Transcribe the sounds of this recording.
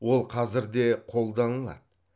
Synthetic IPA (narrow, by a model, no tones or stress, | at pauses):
wo̞lˠqʰɑzɪɾd̪e̞qʰo̞lˠd̪ɑnəlˠɑ̰d̪ə